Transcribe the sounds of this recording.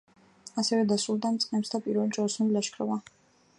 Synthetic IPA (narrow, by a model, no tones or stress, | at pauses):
asɛvɛd̪asulˠd̪amt̪sʼqʼɛmsd̪apʼiɾvɛlt͡ʃʼɔlsunilaʃkʰɾɔva